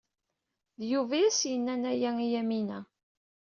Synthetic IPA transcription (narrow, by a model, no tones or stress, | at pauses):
ðjuvæsjənːænæjæŋijæminæ